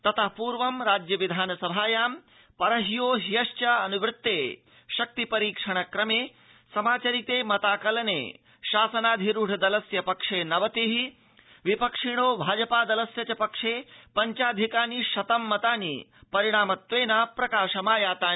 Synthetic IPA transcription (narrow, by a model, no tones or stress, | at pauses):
t̪ɐt̪ʰɐpuːɾʋɐmɾaːd͡ʒjɐʋid̪ʱaːnɐsɐbʱaːjaːm | pɐɾɐɦijoːɦijɐʃt͡ʃɐɐnuʋɾɪt̪ːeː | ʃɐk̚t̪ipɐɾiːkʂɐɳ̃ɐkɾɐmeː | sɐmaːt͡ʃɐɾit̪eːmɐt̪aːkɐlɐnḛː | ʃaːsɐnaːd̪ʱiɾuɽ̤ʰʱɐd̪ɐlɐsjɐpɐkʂeːnɐʋɐt̪iɦi | ʋipɐkʂiɳ̃oːbʱaːd͡ʒɐpaːd̪ɐlɐsjɐt͡ʃɐpɐkʂeːpɐɲt͡ʃaːd̪ʱikaːniʃɐt̪ɐmːɐt̪aːnḭːpɐɾiɽ̃aːmɐt̪ʋeːnaːpɾɐkaːʃɐmaːjaːt̪aːi